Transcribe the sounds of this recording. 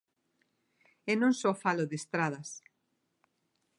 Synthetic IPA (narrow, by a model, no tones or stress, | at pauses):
ɛnõŋsɔfaloðest̪ɾað̞ɐs